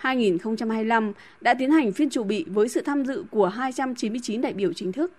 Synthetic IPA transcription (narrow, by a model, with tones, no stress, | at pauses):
haː˧jŋi˨˩nxə˧wŋ͡mt͡ɕa˧mhaː˧jla˧m | ɗa̰ː˧˥t̪i˨˦ənha˨˩jŋ̟fi˧ənt͡ɕu˧˩ɓḭ˧˨vəː˨˦jsɨ̰˧˨t̪ʰaː˧mzɨ̰˧˨ku˧˩əɦaː˧jt͡ɕa˧mt͡ɕi˨˦nmɨ˧əjt͡ɕi˨˦nɗa̰ː˧˨jɓi˧˩əwt͡ɕï˨˦ŋ̟t̪ʰɨ˦˥k̚